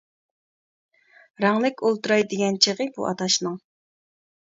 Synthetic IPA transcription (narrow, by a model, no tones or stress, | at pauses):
ɾɑŋlˠɪkʲʰolˠt̪uɾɑjd̪eɡʲɛnt͡ʃʰeʁəbṵʔɑ̰t̪ʰɑʃnɨŋ